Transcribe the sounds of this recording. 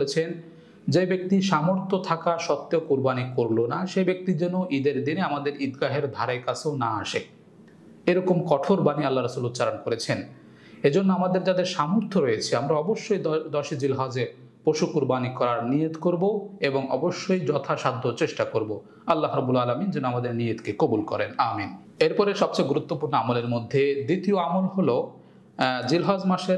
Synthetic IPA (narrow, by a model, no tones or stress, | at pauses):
olet͡ɕʰen | d͡ʑebek̚t̪iʃamoɾt̪ʰːot̪ʰakaʃɔt̪ːeokuɾbanikoɾlonaʃebek̚t̪id͡ʑɛnːoʔid̪eɾd̪ineamad̪eɾid̪ɡaɦeɾd̪ʱaɾaekat͡ɕʰeonaaʃe | eɾɔkomkɔʈʰoɾbanialːaɾasulott͡ɕaɾankoɾet͡ɕʰen | ed͡ʑonːoamad̪eɾd͡ʑad̪eɾʃamoɾt̪ʰoɾojet͡ɕʰiamɾaɔboʃːojd̪ɔɾʃid͡ʑilɦad͡ʑe | poʃukuɾbanikɔɾaɾnijet̪koɾboeboŋɔ̰boʃːojd͡ʑɔt̪ʰaʃad̪ʱoɾt͡ɕeʃʈakoɾbo | ɐlːaɦɾɔbːulaːlamind͡ʑenoamad̪eɾnijet̪kekobulkɔ̰ɾenaːmin | eɾpɔɾeʃɔb̚t͡ɕajɡuɾut̪ːopuɾnoamoleɾmod̪ʱːed̪it̪ioamolɦolo | d͡ʑilɦad͡ʑmaʃeɾ